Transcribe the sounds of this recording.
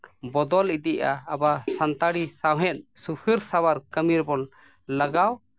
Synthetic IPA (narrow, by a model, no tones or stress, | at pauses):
bɔd̪ɔlid̪iʔaːbasant̪aɽisawɦɛ̃t̪̚ˀsupʰəɾsawaɾkəmiɾbɔn | ləɡaw